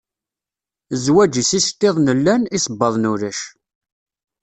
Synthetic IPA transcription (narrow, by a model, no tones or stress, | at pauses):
zwæd͡ʒisist̪ːeðˤnəlːænisˤəbːəðˤnuɾæʃ